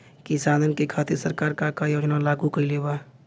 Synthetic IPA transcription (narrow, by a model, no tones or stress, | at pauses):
kisaːd̪ʱənkikʰaːt̪isəɾkaːɾkaːɾkajoːd͡ʒnalaːɡukəileːba